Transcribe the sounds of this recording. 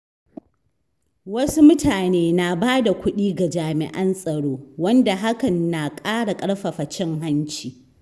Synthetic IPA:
wɐ˦su˦mʊ˦tʰaː˨neː˦na˨baː˦da˨kʷʊ˦ɗiː˦ɡa˨d͡ʒaː˨mɪ̰˨ʔɐ˦nsʼɐ˨ɽoː˦wɐ˦nda˨ɦa˦kɐ˨nːa˨kʼaː˦ɽa˨kʼɐ˦ɽɸa˨ɸɐ˨t͡ʃɪ˦ŋɦa˦nt͡ʃiː˨

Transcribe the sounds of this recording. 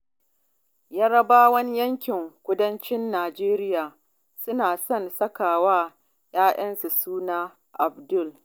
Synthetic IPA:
jaː˦ɽɐ˦baː˦wɐ˦ni˦jɐ˦ŋkʲɪ˨ŋkʷʊ˦dɐ˦nt͡ʃɪ˦nːaː˨d͡ʒeː˦ɾɪ˦jaː˨ | sʊ˦naː˨sɔ˦˨nsɐ˦kaː˨waː˦ | jaː˦ʔɐ˦nsu˨suː˦naː˦ | ʔa˨bdʊ˦˨l

